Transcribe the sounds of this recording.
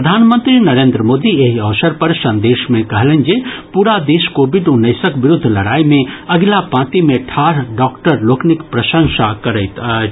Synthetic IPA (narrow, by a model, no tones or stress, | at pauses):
pəd̪ʱaːnmə̃nt̪ɾinɐɾẽːnd̪ɾəmoːd̪ieɦiɐʋsəɾpɐɾsɐ̃nd̪eːʃmẽkɐɦlənd͡ʒepuɾad̪eːʃkoːbiɖʊnːəɪsəkʋɪɾʊd̪ʱːlɐɽaːimẽɐɡlapãːt̪imẽʈʰaːɾɖɔːkʈəɾloːknikpɾɐʃə̃ŋsakɐɾət̪ə